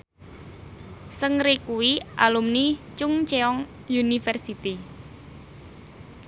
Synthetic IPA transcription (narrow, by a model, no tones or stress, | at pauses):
səŋɾikuwiʔalumnit͡ʃʊŋt͡ʃeɔŋ | junifɛrsit̪i